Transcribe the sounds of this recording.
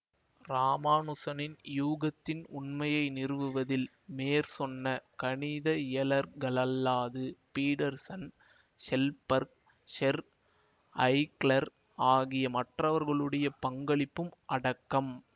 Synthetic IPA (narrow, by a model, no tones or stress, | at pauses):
ɾaːmaːnʊsɐnɪnjuːɣɐt̪ːɪnʊɳmɐjɐɪnɪrɯʋɯʋɐðɪl | meːɾsɔnːɐkɐɳɪðɐɪɐlɐɾɡɐɭɐlːaːðɯpiːɽɐɾsɐn | sɛlpɐɾk | ʂɛɾ | ɐɪklɐɾ | aːɣɪjɐmɐʈrɐʋɐɾɣɐɭɯɽɐjɐpɐŋɡɐɭɪpːɯmʔɐɽɐkːɐm